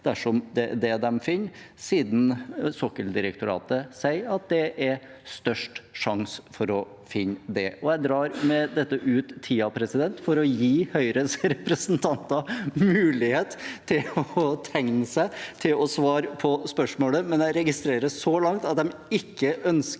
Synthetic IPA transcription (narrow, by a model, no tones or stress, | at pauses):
d̪̥æʂɔmd̪ɛd̪ɛd̪ɛmfɪnːsiːd̪n̩sɔkːəld̪ɪɾək̚t̪ʊɾɑ̰ːt̪əsæɪɑt̪̚d̪ɛʔæɾ | st̪œʂʈʂɑŋsfɔɾɔ | fɪnːd̪ɛ̰ʔɔjæɪd̪ɾɑːɾmɛd̪ɛt̪ːəʔʉːt̪ʰːiːɑpʰɾɛsɪd̪ɛnt̪fɔɾɔjiːhœʏɾəsɾɛpɾəsnt̪ʰɑnt̪ɑmʉːlɪheːt̪t̪ʰːɪlɔɔt̪ʰɛŋnəsæɪt̪ʰɪlɔsʋɑːɾpʰɔspœʂmoːləmɛnjæɪɾɛɡɪst̪ɾeːɾəsɔlɑŋt̪ɑt̪̚d̪ɛmɪkːəʔœns